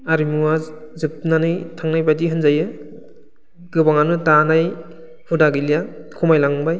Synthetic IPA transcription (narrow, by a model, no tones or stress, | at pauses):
aɾimuwazɯp̚nanɯjtʰaŋnajbadiɦɯnzajɯ | ɡɯbaŋanɯtanaj | hʰudaɡilijakʰumajlaŋbaj